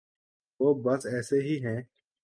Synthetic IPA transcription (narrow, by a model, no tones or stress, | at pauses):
ʋoːbɐsɛːseɦiɦɛ̃ː